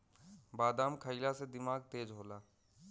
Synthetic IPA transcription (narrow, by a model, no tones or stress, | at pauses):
baːd̪aːmkʰəilased̪ɪmaːɡt̪eːd͡ʒɦoːlaː